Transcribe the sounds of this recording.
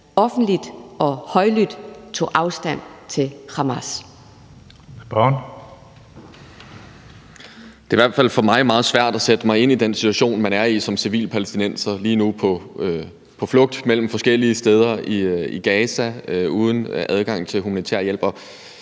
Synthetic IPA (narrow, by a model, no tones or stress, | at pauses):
ɒ̽fn̩d̥lid̥ʔɒ̽hɒɪlyd̥t͡sʰo̝̰ːʔɑ̈ʊsd̥æn̰t͡sʰe̝lhɑ̈mæs | b̥ɒn | d̥e̝iʋæɐ̰d̥fæl̰fɒ̽mɑ̈ɪmɑ̈ːð̞̩ˠsʋæɐ̰d̥æsed̥əmɑ̈ɪe̝n̰id̥ensi̥t͡sʰuæɕo̝̰ːnmænæɐisɒ̽msiʋḭːlpʰælesd̥inen̰sɐliːnupʰɒ̽ | pʰɒ̽flɔ̽ɡ̥̚d̥mel̰m̩fɒ̽sɡ̥el̰iəsd̥eð̞ˠɐiiɡ̥ɛːsæuːð̞ˠən̩ʔæð̞ˠɡ̥ɑ̈ŋ̰t͡sʰe̝lɦumænit͡sʰḛɐ̰jel̰b̥ɒ̽